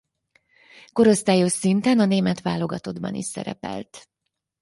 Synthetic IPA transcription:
ko̞ɾo̞st̪aːjoʃint̪ɛnɒneːmɛt̪ʋaːlo̞ɡɒt̪o̞d̪bɒ̰nḭʃsɛ̰ɾɛ̰pɛ̰lt̪

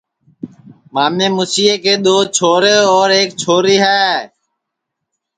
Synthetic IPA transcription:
maːmeːmusiːeːkeːɗ̪oːt͡ʃʰoːɾeːɔːɾeːk̚t͡ʃʰoːɾiːɦɛː

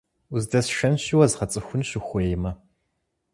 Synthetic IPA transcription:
uzdɐsʃɐnɕɪwɐzʁɐt͡sʼɨxʷʊnɕɪxʷejɪmɐ

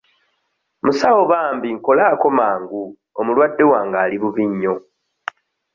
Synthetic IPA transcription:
musawo̞βaːmbiŋko̞laːko̞maːŋɡu | omulwadːe̞waːŋɡaːliβuβiɲːo̞

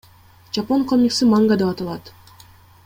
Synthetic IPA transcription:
d͡ʒaponkʰomʲiksimaŋɡad̪epɑt̪ɑlˠɑt̪

